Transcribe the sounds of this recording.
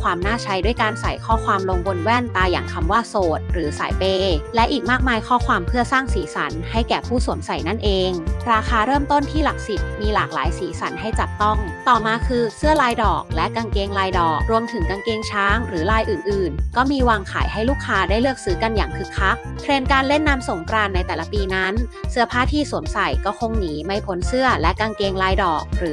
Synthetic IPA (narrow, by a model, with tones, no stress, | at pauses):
kʰwaː˧mnaː˥˩t͡ɕʰa˧˥jdu˥˩əjkaː˧nsa̰˨˩˦jkʰɔː˥˩kʰwaː˧mlo˧ŋwo˧nwɛː˥˩nt̪aː˧ja̰ː˨˩ŋkʰa˧mwaː˥˩soː˨˩t̪̚ɾɯː˩˦sa̰ː˩˦jpeː˧lɛ˦˥ʔiː˨˩k̚maː˥˩k̚maː˧jkʰɔː˥˩kʰwaː˧mpʰɯ˥˩ɐsaː˥˩ŋsiː˩˦sa̰˩˦nha˥˩jkɛː˨˩pʰuː˥˩su˨˩˦ənsa˨˩jna˥˩nʔeː˧ŋɾaː˧kʰaː˧ɾɤː˥˩mt̪o˥˩nt̪ʰiː˥˩la˨˩k̚si˨˩t̪̚miː˧laː˨˩k̚laː˩˦jsiː˩˦sa˩˦nɦa˥˩jt͡ɕa˨˩p̚t̪ɔ˥˩ŋt̪ɔː˨˩maː˧kʰɯː˧sɯ˥˩ɐlaː˧jdɔ̰ː˨˩k̚lɛ˦˥ʔka˧ŋkeː˧ŋlaː˧jdɔː˨˩k̚ɾu˧əmt̪ʰɯ˩˦ŋka˧ŋkeː˧ŋt͡ɕʰaː˦˥ŋɾɯː˩˦laː˧jʔɯː˨˩nʔɯː˨˩nkɔː˥˩miː˧waː˧ŋkʰa̰ː˩˦jha˥˩jluː˥˩kʰːaː˦˧˥daː˥˩jlɯ˥˩ək̚sɯː˨˦˥ka˧njaː˨˩ŋkʰɯ˨˩kʰːa˦˥k̚pʰɾeː˧nkaː˧nle˥˩nːaː˦˥mso˩˦ŋkɾaː˧nːa˧jt̪ɛː˨˩la˦˥piː˧na˦˥nsɯ˥˩ɐpʰaː˥˩t̪ʰiː˥˩su˨˩ənsa˨˩jkɔː˥˩kʰo˧ŋniː˩˦ma˧˩jpʰo˨˦˥nsɯ˥˩ɐlɛ˦˥kaː˧ŋkeː˧ŋlaː˧jdɔː˨˩k̚ɾɯː˩˦